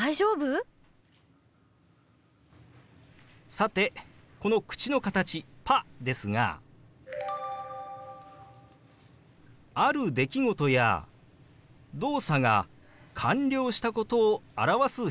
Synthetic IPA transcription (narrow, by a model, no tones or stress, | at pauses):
aiʑoːbɯ | sat̪e̞ko̞no̞kɯ̟̥t͡ɕino̞kat̪at͡ɕipad̪e̞sɨŋa̰ | aɾɯ̟d̪e̞kʲiɡo̞t̪o̞ja̰ | d̪o̞ːsaɡa̰ | kʰãɲɾʲo̞ːɕi̥t̪ako̞t̪o̞ːaɾaβasɨ